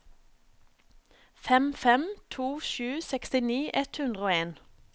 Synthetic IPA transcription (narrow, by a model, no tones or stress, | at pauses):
fɛmfɛmt̪ʰuːʃʉːsɛkst̪ɪniːʔɛt̪hʉnd̪ʁəoːeːn